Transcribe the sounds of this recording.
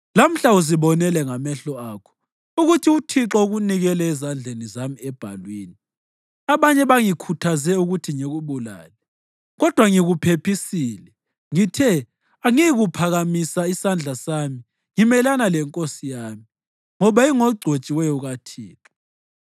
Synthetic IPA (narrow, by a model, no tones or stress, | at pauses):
lam̩ɬauz̬iβɔnɛlɛŋamɛɬɔakʰɔ̥ | uɣutʰiutʰiǁɔuɣuniɣɛlɛɛzand͡ɮʱenizamiɛb̥ʱa̰lwiːni | aβaɲɛβaŋikʰutʰazɛuɣutʰiŋeɣuβula̰ːlɛ | ɣɔd̥ʱwaŋiɣupʰepʰisiːlɛ | ŋitʰɛ | aŋiiɣupʰaɣamisaisand͡ɮʱasami | ŋimɛlanalɛŋkʼosijaːmi | ŋɔβaiŋɔɡ͡ǀʱot͡ʃʼiwɛjɔɣatʰḭːǁɔ̥